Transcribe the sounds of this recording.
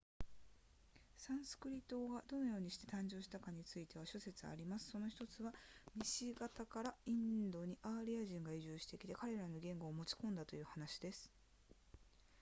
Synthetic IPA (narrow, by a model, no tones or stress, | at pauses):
sãɰ̃sɨ̥kɯ̟ɾʲit̪ːo̞ːɡad̪o̞no̞jo̞ːɲ̟iɕi̥t̪e̞t̪ãɲ̟d͡ʑo̞ːɕi̥t̪akaɲ̟it͡sɨit̪e̞β̞aɕo̞se̞t͡sɨa̰ɾʲimasɨ̥so̞no̞çi̥t̪o̞t͡sɨβamʲiɕiɡat̪akaɾaĩnd̪o̞ɲ̟iʔaɾʲiaʑĩŋɡaiʑɨːɕi̥t̪e̞kʲi̥t̪e̞kaɾe̞ɾano̞ɡẽ̞ŋɡo̞ːmo̞t͡ɕi̥kõ̞nd̪at̪o̞jɯ̟ːhanaɕid̪e̞sɨ̥